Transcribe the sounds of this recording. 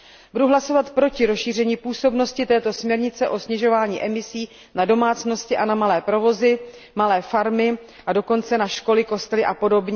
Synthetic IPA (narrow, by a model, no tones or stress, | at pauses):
buduɦlaso̞vat̪pɾo̞cɪɾosʃiːr̝ɛɲiːpuːso̞bno̞scɪt̪ɛːt̪o̞smɲɛɾɲɪt͡sɛʔo̞sɲɛʒo̞vaːɲḭːʔɛmɪsiː | nado̞maːt͡sno̞scɪʔanamalɛːpɾo̞vo̞zɪ | malɛːfaɾmɪ | ʔado̞ko̞nt͡sɛnaʃko̞lɪko̞st̪ɛlɪʔapo̞do̞bɲɛ